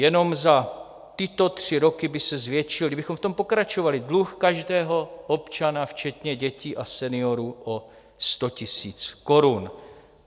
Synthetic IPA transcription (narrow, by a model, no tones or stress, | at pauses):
jɛno̞mza | t̪ɪt̪o̞t̪r̝̥ɪɾo̞kɪbɪsɛzvjɛt͡ʃɪldɪbɪxo̞mft̪ompokɾat͡ʃovalɪdluxkaʒdɛːɦo̞ʔo̞pt͡ʃanaft͡ʃɛt̪ɲɛɟɛciːʔasɛnɪo̞ɾuːʔo | st̪o̞cɪsiːt͡sko̞ɾun